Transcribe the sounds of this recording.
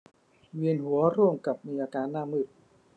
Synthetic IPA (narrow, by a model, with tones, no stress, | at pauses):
wi˧˩ənɦu˩˦ɐɾuː˥˩əmka˨˩p̚miː˧ʔaː˧kaː˧nːaː˧˩˨mɯ˨˩t̪̚